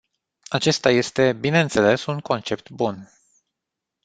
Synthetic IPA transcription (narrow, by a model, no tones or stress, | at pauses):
at͡ʃe̞st̪aje̞st̪e̞bine̞nt̪se̞le̞suŋko̞nt͡ʃe̞p̚t̪bun